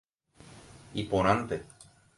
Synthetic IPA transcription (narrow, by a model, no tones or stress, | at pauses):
ipoɾ̃ant̪e